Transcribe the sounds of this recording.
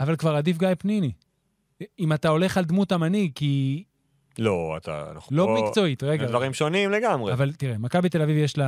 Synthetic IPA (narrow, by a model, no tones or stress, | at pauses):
avalkvaʁad̪ifɡajpnini | imat̪ao̞le̞χald̪mutamaniki | loa̰t̪a̰na̰χlo̞mikt͡so̞it̪ʁeɡavaʁimʃonimleɡamʁeavalt̪iʁemakabit̪e̞lavivjeʃla